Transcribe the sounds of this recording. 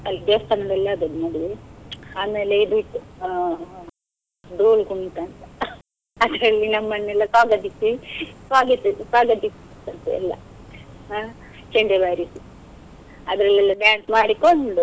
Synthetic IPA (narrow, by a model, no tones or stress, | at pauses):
ɐlːid̪est̪ɐnɐd̪ɛlːɐːd̪ɐnnoːɽiiaːmeːleid̪uit̪ːu | ɖuːlkumt̪ant̪ɐ | ɐd̪ɾɐlːinɐmːɐnːɛlːɐsaːɡɐd̪isisaːɡit̪ːusaːɡɐd̪is | t̪ːɐnt̪ṵɛ̰lːɐ̰ | a | t͡ʃɛɳɖebaːɾisi | ɐd̪ɾɐlːɛlːɐɖjaːɳsmaːɽikoɳɖu